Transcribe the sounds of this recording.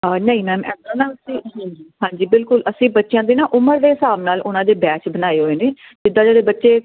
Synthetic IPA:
nəĩːmɛːmɛːd̪aːnaːsiːɦɛ̃ːŋɡiːɦãːɲd͡ʒiːbɪlkʊləsĩːbətːʃjãːd̪iːnaːʔʊməɾd̪eːɪsaːbnaːlʔʊnãːd̪eːbɛːt͡ʃbənaːeːɦoːeːneː | d͡ʒɪd̪ːãːd͡ʒeːɽeːbətːʃeː

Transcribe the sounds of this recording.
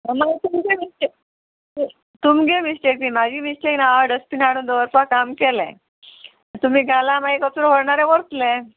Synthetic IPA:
əmat̪umɡemisʈek̚ | t̪umɡemisʈek̚t̪iːmad͡ʑʱiːmisʈeknaɖəspiːnaɽ̃uːnd̪əʋəɾpakamkelɛ̰̃ | t̪um̤iːɡʱalamaikəsɾoʋəɽɳaɾɛʋəɾt̪lẽ

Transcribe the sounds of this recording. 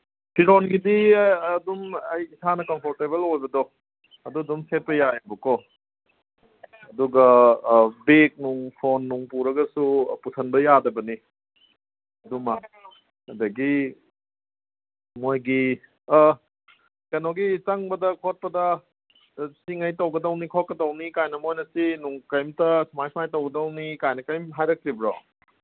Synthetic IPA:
pʰiɾonɡididumɐjisanɐkɐmpʰoɾtebelojbɐdɔ | ɐduɐdumset̚pɐjajbɐkɔ | ɐduɡɐ | bek̚nuŋpʰonːuŋpuɾɐɡɐsupusʰɐnbɐjadɐbɐni | ɐduma | hɐdɐɡi | mojɡi | kɐnoɡit͡ʃɐŋbɐdɐkʰot̚pɐdɐ | siŋɐjtɐwɡɐdɐwnikʰot̚kɐdɐwnikajnɐmojnɐsinuŋkɐjmtɐsumajsumajtɐwɡɐdɐwnikajnɐkɐjmɦajɾɐk̚tɾibɾo

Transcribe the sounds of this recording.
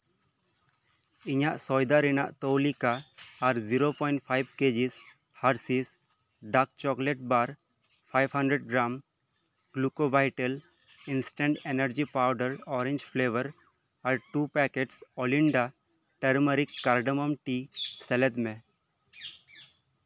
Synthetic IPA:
ɪɲaʔsɔːjd̪aɾina̰ʔt̪owlikaːɾziɾopɔ̃ɪ̃ɳʈ̚pʰaɪb̚keːd͡ʒis | haɾsis | ɖak̚t͡ʃɔkleʈbaɾ | pʰaɪbɦɐ̃ɳɖɾeɖ̚ɡɾam | ɡ̥lukobaɪʈəl | ɪnsʈə̃ɳɖenəɾd͡ʒipaʊɖəɾɔːɾẽɲd͡ʒpʰleːʋəɾ | aɾʈuːpɛkeʈsɔlɪɳɖa | ʈəɾməɾikːaɾɖəmɔmʈisɛlet̪mẽ

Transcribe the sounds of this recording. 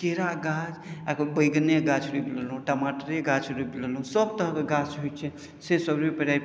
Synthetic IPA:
teɾaɡad͡ʒakbəjɡneɡat͡ʃʰɾubləlɦũʈəmaʈəɾeɡat͡ʃʰɾubləlɦũsəb̚t̪əɦkeɡat͡ʃɦot͡ʃʰɛ | sesəbipəɾajp

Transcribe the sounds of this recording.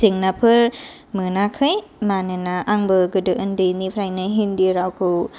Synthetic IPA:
siŋnapʰɯɾ | mɯnakʰɯjmanɯnaʔaŋbɯɡɯdɯʔɯndɯjnipʰɾajnɯɦindiɾawkʰɯw

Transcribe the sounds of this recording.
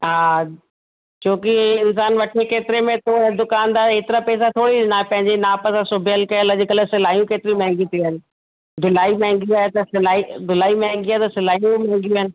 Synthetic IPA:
ɦaː | t͡ɕʰoːkiɪns̬aːnʋɐʈʰekeːt̪ɪɾemẽt̪oɛ̃d̪ʊkaːnd̪aːeːt̪ɪɾapɛːs̬at̪ʰoːɽiɗɪnaːepɐ̃ɦɪ̃ɲd͡ʑenaːpəsãsʊbʱɪjəlkɐəlɐd͡ʑɪkəlsɪlaːɦijũkeːt̪ɪɾijũmɛ̃ɦɛ̃ŋɡĩt̪ʰiaːɪnɪ̆ | d̪ʊlaːimɛ̃ɦɪ̃ŋɡjiaːɦet̪ɐsɪlaːid̪ʱʊlaːimɛ̃ɦɛ̃ŋɡiaːet̪ɐsɪlaːijũmɛ̃ɦɛ̃ŋɡijũaːɪnɪ̆

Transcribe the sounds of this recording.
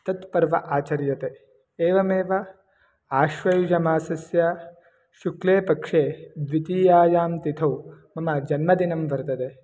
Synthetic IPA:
t̪ɐt̪pɐɾʋɐʔaːt͡ʃɐɾjɐt̪e | eːʋɐmeːʋɐ | aːʃʋɐjud͡ʒɐmaːsɐsjaː | ʃukleːpɐkʂeːd̪ʋit̪iːjaːjaːmt̪it̪ʰɐwmɐmɐd͡ʒɐnmɐd̪inɐmʋɐɾt̪ɐd̪e

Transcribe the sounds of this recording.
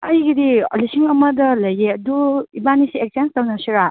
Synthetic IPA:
ɐjɡidio̰lisiŋɐmɐdɐlɐjeɐduibanisiek̚sanstawnasiɾa

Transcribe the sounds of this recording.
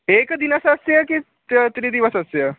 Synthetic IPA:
ekd̪inəsɐsjəki | ət̪ɾiːd̪iʋəsəsjə

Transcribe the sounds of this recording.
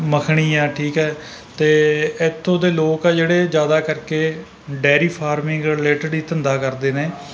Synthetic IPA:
məkʰɳ̃iːɛːʈʰiːkɛː | t̪eːɪt̪ʰːõːd̪eːloːkɛd͡ʒeːɽeːd͡ʒjaːd̪aːkəɾkeː | ɖɛːɾiːpʰaːɾmɪ̃ŋɡəleːʈəɖiːt̪ənd̪aːkəɾd̪eːneː

